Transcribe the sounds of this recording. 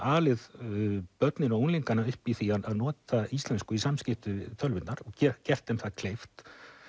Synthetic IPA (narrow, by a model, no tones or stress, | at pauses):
aːlɪðpœt̪nɪnaunliŋkanːaʏhpiθiaðaðnɔːt̪aist̪lɛnskʏisamscɪft̪ʏt̪ʰœlvɪnnaɾɔɣcɛcɛr̥t̪ɛmθaðkʰlejft̪